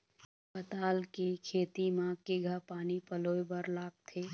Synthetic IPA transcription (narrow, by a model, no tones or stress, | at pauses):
pət̪aːlkekʰeːt̪imãkeɡʱəpaːnipəloːebəɾlaːɡ̚t̪ʰeː